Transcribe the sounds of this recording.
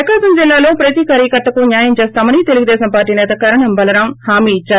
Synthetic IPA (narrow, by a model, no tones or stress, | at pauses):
ɐkaːsɐmd͡ʒilːaːlo̞ːpɾɐt̪ikaːɾjɐkɐʈ̪ːɐkunjaːjɐmt͡ʃeːst̪aːmɐnit̪e̞luɡud̪ɛːsɐmpaːɾʈːiːnɛːt̪ɐkɐɾɐɳɐmbɐlɐɾaːmhaːmiːt͡ʃːaːɾu